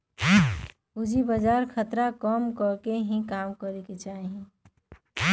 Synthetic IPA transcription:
ud͡ʒibəd͡ʒaɾkʰət̪ɾakəmkəɾkeɦĩkamkəɾeket͡ʃaɦiĩ

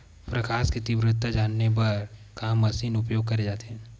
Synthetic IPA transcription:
pɾɐkʰaːsket̪ɪbɾɪt̪ːad͡ʒaːnːep̬ɐɾkamɐsiːnʊpjoːɡ̚kɐɾed͡ʒaːt̪eɦɛ̃ː

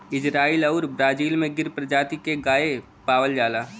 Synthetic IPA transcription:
ɪd͡ʒɾaːiːlɐʊɾbɾaːd͡ʒiːlmẽɡɪɾpɾəd͡ʒaːt̪ikeɡaːe | paːʋəld͡ʒaːlaː

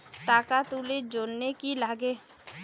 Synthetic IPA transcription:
t̪aːkat̪uːled͡ʒoːnnekilaːɡeː

